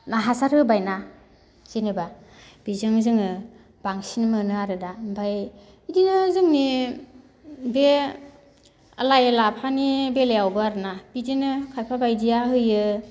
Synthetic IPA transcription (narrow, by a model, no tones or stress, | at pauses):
naɦasaɾɯbajna | z̥ineba | b̥izɯŋzɯŋɯ | b̥aŋsinmɯnɯaɾɯdabaj | idinɯzɯŋni | be | alajlapʰanibelejawbɯaɾɯnabidinɯkʰajpʰabajdijaɦɯjɯ